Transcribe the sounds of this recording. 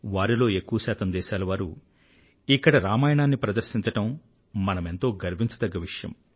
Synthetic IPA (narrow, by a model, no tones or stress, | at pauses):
ʋaːɾilo̞ːe̞kːuʋɐsɛːt̪ʰɐmd̪ɛːʃaːlɐʋaːɾu | ikːɐɽɐɾaːmaːjɐɳaːnːipɾɐd̪ɐɾʃiɲt͡ʃɐʈɐm | mɐnɐme̞nt̪o̞ːɡɐɾbʱiɲt͡ʃɐd̪ɐɡːɐʋiʂɐjɐ̰m